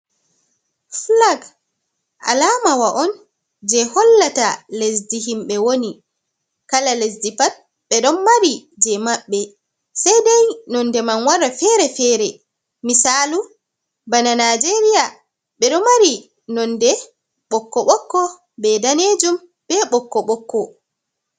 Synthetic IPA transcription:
flaɡ | ʔa̰lamawaʔɔn | d͡ʒɛhɔlːatalesdiɦimɓɛwoni | kalalesdipat̚ | ɓɛɗɔnmaɾid͡ʒɛmaɓːɛ | sajdajnɔndɛmanwaɾafɛɾɛfɛɾɛ | misalu | bananad͡ʒeɾija | ɓɛɗɔmaɾi | nɔndɛ | ɓɔkːɔɓɔkːɔ | bɛdaned͡ʒum | b̥ɛɓɔkːɔɓɔkːɔ

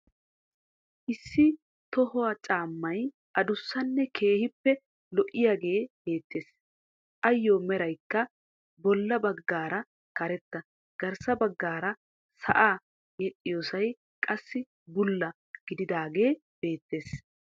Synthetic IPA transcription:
ʔɪsːɪ | t̪ɔhɔwɐt͡ʃʼaːmːɐj | ʔɐd̪ʊsːɐnːɛkʰe̞ːhɪpːɛ | lɔʔɪjaːɡe̞ːb̥e̞ːt̪ːe̞ːs | ʔɐjːoːmɛɾɐjkːɐ | bɔlːɐbɐɡːaːɾɐ | kɐɾɛt̪ːɐ | ɡ̥ɐɾsɐbɐɡːaːɾɐ | sɐ̰ʔaː | jɛɗʼːɪjoːsɐj | kʼɐsːɪ | bʊlːɐ | ɡ̥ɪd̪ɪd̪aːɡe̞ː | b̥e̞ːt̪ːe̞ːs

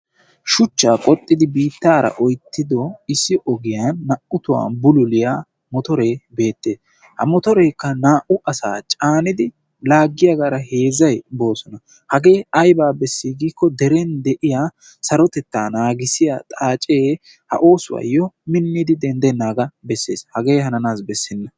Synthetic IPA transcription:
ʃʊt͡ʃːaːkʼɔt̪ʼːɪd̪ɪbiːt̪ːaːɾɐ̰ʔɔjt̪ʰːɪd̪ɔɪsːɪʔɔɡɪjanːɐʔʊt̪ʊwa̰ːnbʊlʊlɪjaː | mɔt̪ɔɾe̞ːbe̞ːt̪ːe̞ːs | hɐmɔt̪ɔɾeːkːɐnaːʔʊʔɐsa̰ːt͡ʃʼaːnɪd̪ɪ | laːɡːɪjɐɡaːɾɐhe̞ːzɐjbo̞ːsɔnɐ | hɐɡe̞ːɐjbaːbɛsːɪɡiːkːɔd̪ɛɾɛnd̪ɛʔɪjaː | sɐɾɔt̪ɛt̪ːaːnaːɡɪsɪja̰t̪ʼaːt͡ʃʼeː | hɐ̰ʔo̞ːsʊwa̰jɔmɪnːɪd̪ɪd̪ɛnd̪ɛnːaːɡɐbɛsːe̞ːshɐɡe̞ːhɐnɐnaːsbɛsːɪnːɐ

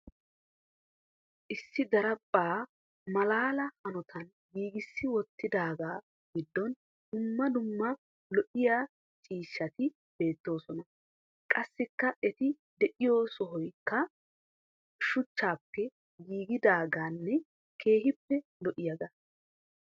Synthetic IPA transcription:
ʔɪsːɪd̪ɐɾɐpʼːaː | mɐlaːlɐhɐnɔt̪ʰɐn | ɡiːɡɪsːɪwɔt̪ːɪd̪aːɡaː | ɡɪd̪ːɔn | d̪̥ʊmːɐd̪ʊmːɐ | lɔʔɪjaː | t͡ʃʼiːʃːɐt̪ɪ | b̥e̞ːt̪ːo̞ːsɔnɐ | kʼɐsːɪkːɐʔɛt̪ɪ | d̪ɛʔɪjoːsɔɦɔjkːɐ | ʃʊt͡ʃːaːpːɛ | ɡiːɡɪd̪aːɡaːnːɛ | kʰe̞ːɦɪpːɛlɔʔɪjɐɡɐ

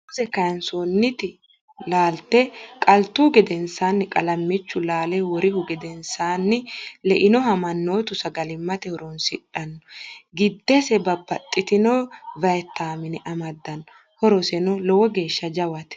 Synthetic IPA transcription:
ʊsɛkɐjɐnsonːɪt̪ɪ | laːlt̪ɛkʼɐlt̪uːɡɛd̪ɛnsaːnːɪkʼɐlɐmːɪt͡ʃːʊlaːlɛwɔɾɪhʊɡɛd̪ɛnsaːnːɪlɛʔɪnɔɦɐmɐnːo̞ːt̪ʊsɐɡɐlɪmːɐt̪ɛhɔɾɔnsɪᶑɐnːɔ̥ɡɪd̪ːɛsɛbɐbːɐt̪ʼːɪt̪ɪnoːvɐjɛt̪ːaːmɪnɪʔɐmɐd̪ːɐnːɔ | hɔɾɔsɛnɔlɔwɔɡe̞ːʃːɐd͡ʒɐwɐt̪

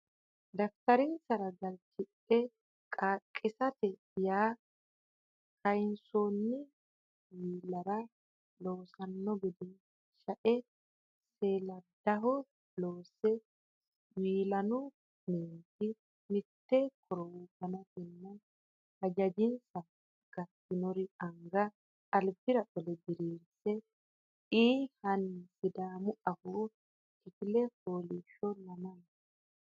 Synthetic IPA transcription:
d̪ɐft̪ɐɾɪnsɐɾɐɡɐlt͡ʃɪᶑ | ɛ | kʼaːkʼːɪsɐt̪ɛ | jaː | kʰɐjɪnsoːnːɪ | wiːlɐɾɐ | loːsɐnːɔɡɪd̪ɪn | ʃɐʔɛ | seːlɐd̪ɐɦɔ | loːsɛ | wiːlɐnu | ninti | mitːɛkʰɔɾɔwkanatɛnːa | had͡ʒad͡ʒinsa | ɡ̥atːinoɾiʔaŋɡaː | lbiɾaʔɔlɛbiɾiɾsɛ | ʔihanːsidaːmuʔahɔ | kiklɛholiʃɔnaman

